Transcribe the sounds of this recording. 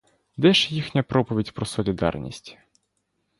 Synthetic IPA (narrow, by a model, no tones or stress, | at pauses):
d̪ɛʃjixnʲɐpɾɔpɔʋʲidʲpɾɔsɔlʲid̪ɑ̰rnʲḭsʲtʲ